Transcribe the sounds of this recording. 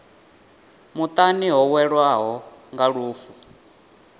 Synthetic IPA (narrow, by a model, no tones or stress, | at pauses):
mut̪ʼaniɦɔwɛɺwaɦɔ | ŋɡaɺuːfu